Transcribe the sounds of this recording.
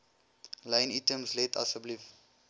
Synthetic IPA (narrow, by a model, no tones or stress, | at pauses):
lãjnitəmslɛta̰səblif